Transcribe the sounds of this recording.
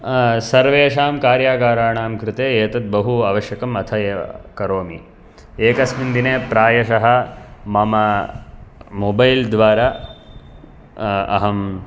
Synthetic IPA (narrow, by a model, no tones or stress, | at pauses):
sɐɾʋeːʃaːmkaːɾjaːɡaːɾaːɳaːmkɾɪt̪eːeːt̪ɐt̪̚bɐɦuaːʋɐʃjɐkɐmɐt̪ʰɐjeːʋɐ̰kɐɾoːmi | eːkɐsmind̪ineːpɾaːjɐʃɐɦɐ̆mɐmɐ | obɐjld̪ʋaːɾaː | ɐ̰ɦɐm